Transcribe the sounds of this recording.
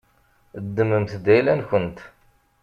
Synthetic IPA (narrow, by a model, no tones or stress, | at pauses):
d̪ːəməmθd̪æjlænçənt̪